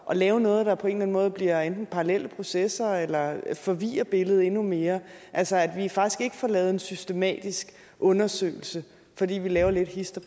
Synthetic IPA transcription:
ʔɒ̽lɛːʊnɔ̽ːð̞̩ˠd̥ɑ̈pʰɒ̽e̝̰ːnlæn̩mɔ̽ːð̞̩ˠb̥liɐend̥n̩pʰɑ̈ʁɑlel̰əpʰʁo̝sesɐelɐfɒ̽ʋḭːɐb̥e̝ləð̞̩ˠe̝nume̝ːɐʔælsɐæd̥ʋifɑ̈ɡ̥i̥sɡ̥e̝ɡ̥əfɒlɛːð̩ˠe̝nsysd̥e̝mɛ̰ːd̥isɡ̥ | ʔɔ̽nɐsø̰ɪl̩sə | fɒd̥ḭːʋilɛːʊɐle̝d̥hisd̥ɐ

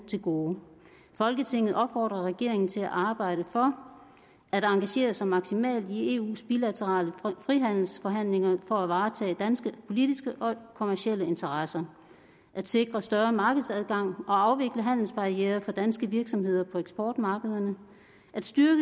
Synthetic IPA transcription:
t͡sʰe̝lɡ̥oː | fɒ̽lɡ̥ət͡sʰe̝ŋ̰ð̞̩ˠʔɒ̽b̥fɒ̰ːd̥ʁɐʁɛɡ̥e̝ɐ̰eŋn̩t͡sʰe̝læʔɑ̈ːb̥ɑ̈ɪ̰ɾ̥əfɒ̽ | ʔæɾ̥ɑ̈ŋɡ̥æɕe̝̰ːɐsɑ̈ɪmɑ̈ɡ̥simɛ̰ːld̥ie̝̰ːṵːsb̥ilæt͡sʰəʁɑ̰̈ːləfʁiɦæn̰l̩sfɒ̽ɦæn̰leŋɐfɒ̽æʋɑ̈ːt͡sʰɛ̰ːd̥ænsɡ̥əpʰo̝lid̥isɡ̥əʔɒ̽kʰo̝mæɐɕiel̰əe̝nt͡sʰɐʁɑsɐ | ʔæd̥se̝ɡ̥ʁɐsd̥ɶɐmɑ̈ːɡ̥əð̞̩ˠsæð̞ˠɡ̥ɑ̈ŋ̰ɒ̽ɑ̈ʊʋe̝ɡ̥ləɦæn̰l̩sb̥ɑ̈ʁiḛːɐfɒ̽d̥ænsɡ̥əʋiɐɡ̥sɒ̽mɦe̝ð̞̰ˠɐpʰɒ̽eɡ̥sb̥ɒːd̥mɑ̈ːɡ̥əð̞ˠɐnə | ʔæd̥sd̥yɐɡ̥ə

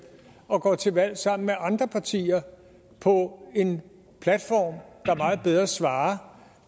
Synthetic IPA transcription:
ɒ̽ɡ̥ɒ̰ːt͡sʰe̝ʋæl̰sɑ̈m̰n̩meʔɑ̈nd̥ʁɐpʰɑ̈t͡sʰḭːɐ | pʰɒ̽e̝n | pʰlæd̥fɒ̰ːmd̥ɑ̈mɑ̈ːð̞̩ˠb̥eð̞ˠʁɐsʋɑ̈ː

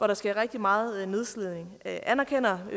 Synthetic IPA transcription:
ʋɒɾɑ̈sɡ̥æɐʁɛɡ̥̚d̥imɑ̈ːð̩ˠne̝ð̞ˠsleð̰ˠne̝ŋʔænɐkʰen̰ɐ

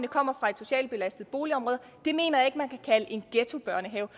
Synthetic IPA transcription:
nəkʰɒ̽m̰ɐfʁɑ̈e̥so̝ɕɛ̰ːlb̥e̝læsd̥ð̩ˠb̥o̝ːliɒ̽mʁɔːðˠ | d̥e̝me̝̰ːnɐjɑ̈e̝ɡ̥mænkʰækʰæləʔe̝nɡ̥et͡sʰo̝b̥ɶɐ̰nəɦɛːʊ

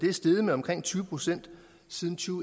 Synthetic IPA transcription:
d̥e̝æɐsd̥eð̞̩ˠmeɒ̽mkʰʁeŋ̰t͡sʰyːʊəpʰʁo̝sen̰d̥ | siðˠn̩t͡sʰyːʊ

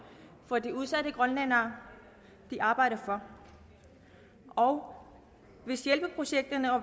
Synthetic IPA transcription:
fɒ̽diuð̞ˠsæd̥əɡ̥ʁɔnlænɐː | d̥iʔɑ̈ːb̥ɑ̈ɪ̰ɾ̥ɐfɒ̽ | ɒʊ | ʋe̝sjelb̥əpʰʁo̝ɕeɡ̥̚d̥ɐnəɒ̽

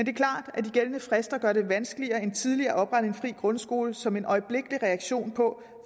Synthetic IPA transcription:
end̥e̝kʰlɑ̰̈ːd̥æd̥iɡ̥elənəfʁɛsd̥ɐɡ̥ɶɐde̝ʋænsɡ̥əliɐːe̝nt͡sʰið̞ˠliɐːʔɒ̽b̥ʁɑ̈ɾ̥əe̝nfʁḭːɡ̥ʁɔ̽nsɡ̥o̝̰ːləsɒ̽me̝nʔɒ̽ɪəb̥le̝ɡ̥əliʁɛɑ̈ɡ̥ɕo̝̰ːnpʰɒ̽

